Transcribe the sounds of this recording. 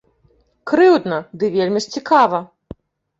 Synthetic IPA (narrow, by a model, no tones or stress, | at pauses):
kɾɨwd̪nɐd̪ɨvʲelʲmʲiʂt͡sʲikavɐ